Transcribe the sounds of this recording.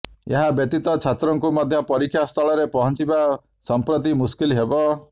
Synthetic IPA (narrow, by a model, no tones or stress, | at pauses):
eɦabjeʈ̪it̪ɔt͡ʃʰat̪ɾɔŋkumɔd̪ʱjɔpɔɾikʰːjast̪ʰɔɭɔɾepɔɦɔnt͡ʃiba | sɔmpɾɔt̪̬imuskilɦebɔ